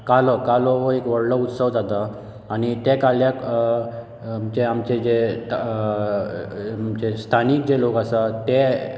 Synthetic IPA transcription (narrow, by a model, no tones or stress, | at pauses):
kalɔkalɔɦɔekʋəɽləut̪səʋd͡zat̪aː | ñit̪ekaljak | mt͡ɕeamt͡ɕed͡ʑet̪ | mt͡ɕest̪ʰanik̚d͡ʑelokəsat̪e